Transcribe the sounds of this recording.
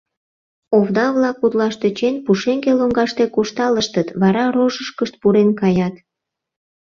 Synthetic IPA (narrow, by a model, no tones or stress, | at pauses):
oβd̪ɑβlɑkut̪lɑʃt̪et͡ɕenʲpuʃeŋɡeloŋɡɑʃt̪e̽kuʃt̪ɑləʃt̪ət̪βɑɾɑɾoʒəʃkəʃt̪̚puɾenkɑjɑt̪